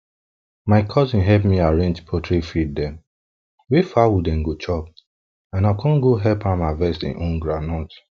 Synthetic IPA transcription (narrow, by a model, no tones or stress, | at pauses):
maɪkʰɔzĩnɦɛpmiaɹẽnd͡ʒpʰɔtʰɹefid̚dɛ̃m | wefawudɛ̃nɡot͡ʃɔp̚ | ãnakʰɔ̃nɡoɦɛlpãmavɛstḭ̃ʔõnɡɹanɔt